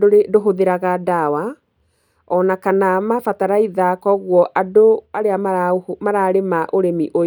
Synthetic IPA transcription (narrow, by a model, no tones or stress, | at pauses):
doɦoðeɾaɣadawa | ɔnakanamafataɾaiðakɔɣwɔʔadoaɾeamaamaɾaɾemaʔoɾemiʔo